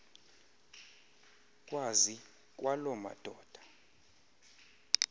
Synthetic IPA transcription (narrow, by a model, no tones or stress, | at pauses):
kʼwazi | kʼwalɔma̰d̥ʱɔːd̥ʱa